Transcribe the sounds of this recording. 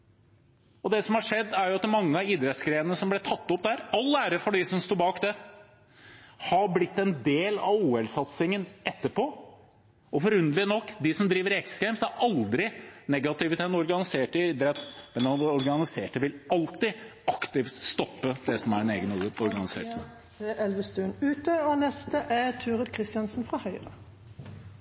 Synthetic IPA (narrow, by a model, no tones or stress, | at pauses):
ɔd̪ɛsɔmhɑʂɛd̪ːæɾjʊɑt̪ːmɑŋːəɑiːd̪ɾɛt̪sɡɾeːnnəsɔmblɛt̪ʰɑt̪ːɔpd̪æɾɑlːæːɾəfɔɖɪsɔmst̪uːbɑːkd̪ɛ | hɑblɪt̪ːɛnd̪eːlɑ̰ʋuːɛlsɑt̪sɪŋənɛt̪ːəpʰo | ɔfɔɾʉnd̪lənɔkːd̪ɪsɔmd̪ɾiːʋəɾɛkssɡɛɪmsæɾɑld̪ɾɪnɛɡɑt̪ɪʋət̪ʰɛnɔɾɡɑnɪseːʈɪd̪əɾɛt̪ːmɛnɑnɔɾɡɑnɪseːʈəʋɪlɑlt̪ɪɑkt̪ɪft̪st̪ɔpːəd̪ɛsɔmæɾɛnḛːɡənɔɾɡɑnɪsḛːʈ | eɛlʋəst̪ʉnʉːt̪əɔnɛst̪əʔɛt̪ʰʉːʁəd̪kʰɾɪst̪ɪɑnsn̩fɾɑhœʏʁə